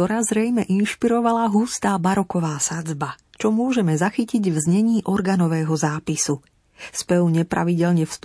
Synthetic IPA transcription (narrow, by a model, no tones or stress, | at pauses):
ɔɾaːzɾɛjmɛʔinʃpiɾɔʋalaɦust̪aːbaɾɔkɔʋaːsad͡zbat͡ʃɔmʊɔʒɛmɛzaxiciɟvzɲɛɲiːʔɔɾɡaːnɔʋɛːɦɔzaːpisu | spɛuɲɛpɾa̰ʋiɟɛlɲɛfs